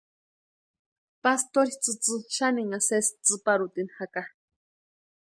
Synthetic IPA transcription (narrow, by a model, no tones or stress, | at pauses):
past̪oɾit͡sɨt͡sɨʃaniŋasest͡sɨpaɾut̪inhaka